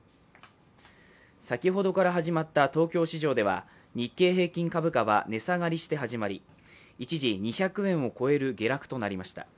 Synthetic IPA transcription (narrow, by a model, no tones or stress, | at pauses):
sakʲiɦo̞d̪o̞kaɾaɦaʑimat̪ːat̪o̞ːkʲo̞ːɕiʑo̞ːd̪e̞βa̰ | ɲ̟ikːe̞ːɦe̞ːkʲĩŋkabɯ̟kaβa̰ne̞saɡaɾʲiɕi̥t̪e̞ɦaʑimaɾʲi | it͡ɕiʑiɲ̟içakɯ̟ẽ̞ɰ̃o̞ko̞e̞ɾɯ̟ɡʲe̞ɾakɯ̟̥t̪o̞naɾʲimaɕi̥t̪a̰